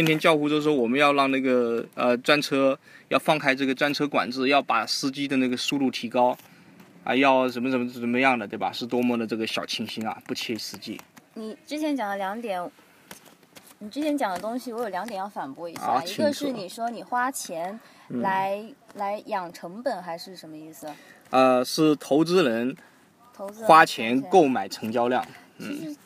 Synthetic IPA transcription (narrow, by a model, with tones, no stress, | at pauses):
t͡ɕʰi˥nt̪ʰjɛ˥nt͡ɕjɑ˥˧ʊxu˥˧t͡ɕjo˥˧ʊʂ̩ɻ̩˥˩ʂwɔ˥wɔ˨˩mə˦njɑ˥˧ʊlɑ˥˧ŋna˥˩ɡə˩ə˧ʈ͡ʂwa˥nʈ͡ʂʰɤ˥ | jɑ˥˧ʊfɑ˥˧ŋkʰa˥ɪʈ͡ʂɤ˥˩ɡə˩ʈ͡ʂwa˥nʈ͡ʂʰɤ˥kwa̰˨˩nʈ͡ʂɹ̩˥˧jɑ˥˩ʊpa˨˩sɹ̩˥t͡ɕi˥d̪ə˨na˥˩ɡə˩su˥˧lu˥˩t̪ʰi˧˥kɑ˥ʊ | ə̰˧jɑ˥˩ʊʂə˧˥nmə˧ʂə˧˥m˧ə˧˥nmə˧˦jɑ˥˩ŋd̪ə˩t̪we˥˩a̰˩ʂɻ̩˥˩t̪̬wɔ˥mwɔ˥˩d̪ə˩ʈ͡ʂɤ˥˩ɡə˩ɕjɑ˨˩ʊt͡ɕʰi˥ŋɕi˥nɐ̰˨pu˥˧t͡ɕʰjɛ˥˧i˥sɹ̩˥˧t͡ɕḭ˥ni˨˩ʈ͡ʂɻ̩˥t͡ɕʰjɛ˧˥nt͡ɕjɑ˨˩ŋd̪ə˦ljɑ˧˥ŋt̪jɛ˨˩˦n | ni˨˩ʈ͡ʂɻ̩˥t͡ɕʰjɛ˧˥nt͡ɕjɑ˨˩ŋd̪ə˦t̪ʊ˥ŋɕi˨wɔ˧˥jo˨˩ljɑ˧˥ŋt̪jɛ˨˩jɑ˥˩ʊfa˨˩npwɔ˥i˧˥j̰t͡ɕi˧˥i˥ɡə˧ʂɻ̩˥˩˥ni˨˩ʂwɔ˥ni˨˩xwa˥t͡ɕʰjɛ˧˥n̩˥ | la˧˥ɪla˧˥ɪjɑ˨˩ŋʈ͡ʂʰɤ˧˥ŋpə˨˩nxa˧˥ɪʂɻ̩˥˩ʂə˧˥nmə˧i˥˩sɹ̩˩ | ə˧ʂɻ̩˥˩t̪ʰo˧˥ʊt͡sɹ̩˥ɻə˧˥n | t̪ʰo˧ʊɹ̩˥xwa˥t͡ɕʰjɛ˧˥nko˥˩ʊma˨˩ɪʈ͡ʂʰɤ˧˥ŋt͡ɕjɑ˥ʊljɑ̰˥˩ŋ | n̩˥˧˩